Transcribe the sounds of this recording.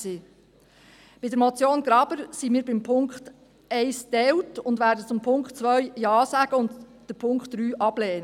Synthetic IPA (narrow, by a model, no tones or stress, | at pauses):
siː | b̥ɪdəɾmot͡sjoːnɡɾɑb̥əɾsiːmiːɾbɪmpʰʊŋkχt | ɛɪsd̥ɛwtʊndvʋæːɾdət͡sʊmpʰʊŋkχt͡sʋœɥjɑːsæːɡ̥əʊndd̥əpʰʊŋkχtːɾyːʔɑb̥lɛːnə